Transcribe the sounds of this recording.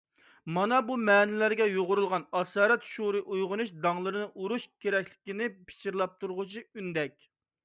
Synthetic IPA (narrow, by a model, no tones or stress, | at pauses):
mɑnɑbumɛnɪlæɾɡʲɛjoʁʊɾulˠʁɑnɑsɑːɾɛt̪ʃuɾɨʔujʁʊnuʃd̪ɑŋlˠɨɾɨnɨʔuɾuʃkʲʰeɾɛkʲlɪkʲinɪpʰɪ̥t͡ʃʰiɾlˠɑp̚t̪ʰuɾʁʊt͡ʃʰiynd̪ɛkʲ